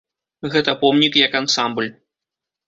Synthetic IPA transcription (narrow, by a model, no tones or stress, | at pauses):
ɣɛt̪ɐpɔmnʲikjɐkansamblʲ